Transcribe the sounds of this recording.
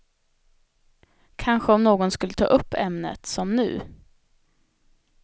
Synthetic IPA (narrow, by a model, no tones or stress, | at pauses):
kʰanɧəɔmnoːɡɔnskɵlːət̪ʰɑ̰ːʔɵpːɛmnə̰t̪sɔmnʉ̟̰ː